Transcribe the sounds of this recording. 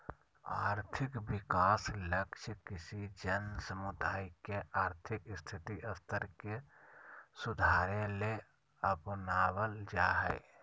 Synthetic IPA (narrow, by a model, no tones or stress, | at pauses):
a̰ːɾt̪ʰɪkbɪkaːsləkt͡ʃʰkɪsid͡ʒənsəmud̪aːikeaːɾt̪ʰɪkst̪ʰɪt̪iəst̪ʰəɾke | sʊd̪ʱaːɾẽle | əpnaːwəld͡ʒaːɦɛ̰ɪ